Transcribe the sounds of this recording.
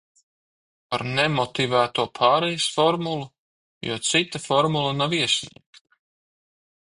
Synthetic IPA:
paɾnemɔt̪ivæːt̪uɔpʰaːɾɛjɪsfɔɾmulˠu | jṵɔt̪sit̪afɔɾmulˠanaviɛsʲnḭɛkt̪ḁ

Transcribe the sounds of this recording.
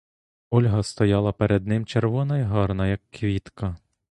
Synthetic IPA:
ɔlʲɦɐst̪ɔjɑlˠɐpeɾed̪nɪmt͡ʃerʋɔnɐiɦɑrnɐjɐkːʋʲit̪kɐ

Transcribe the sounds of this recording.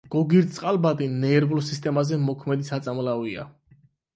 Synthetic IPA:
ɡ̥ɔɡiɾt̪sʼqʼalˠbad̪inɛːɾvlsist̪ʼɛmazɛmɔkʰmɛd̪isat̪sʼamlavia̰

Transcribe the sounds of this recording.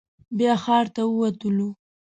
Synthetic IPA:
bjɑxɑɾt̪awəwat̪əlu

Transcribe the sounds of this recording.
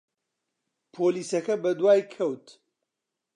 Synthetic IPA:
pʰoːliːsɐkɐbɐd̪waːjkʰɐwt̪

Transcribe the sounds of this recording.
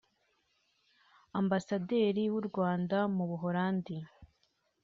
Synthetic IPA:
ambasade̞ːɾiwuɾɡwaːndamuβuɦoɾaːndi

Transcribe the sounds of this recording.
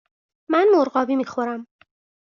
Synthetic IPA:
mænmoɾɢɒːbiːmiːxo̞ɾæm

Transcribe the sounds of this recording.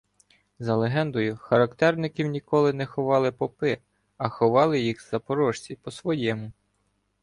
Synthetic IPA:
zɐlˠeɦɛnd̪ɔjʊxɐɾɐkt̪ɛrnɪkʲiwnʲikɔlˠɪnɛxɔʋɑlˠɪpɔpɪ | ɐxɔʋɑlˠɪjixzɐpɔɾɔʃt͡sʲipɔsʋɔjɛmʊ

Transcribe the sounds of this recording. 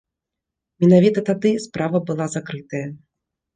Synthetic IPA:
mʲɛnavʲit̪ɐt̪ad̪ɨspɾavɐbɨlˠazakɾɨt̪ɐjɐ

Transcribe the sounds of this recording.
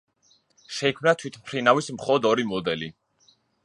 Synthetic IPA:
ʃɛikʰmnat̪ʰwit̪ʰmpʰɾinavismχɔlˠɔd̪ɔɾimɔd̪ɛli

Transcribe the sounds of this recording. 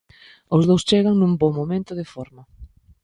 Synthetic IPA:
ozðowst͡ʃeɣaŋnũmbɔmːomẽnt̪ʊðɪfɔɾmɐ

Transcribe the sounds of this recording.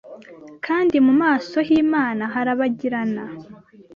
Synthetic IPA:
kʰaːndimumaːso̞jiːmaːnaɦaɾaβaɟiɾana

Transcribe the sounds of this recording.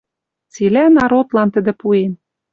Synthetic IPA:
t͡silænɑɾot̪lɑnt̪ɘ̆d̪ɘ̆puen

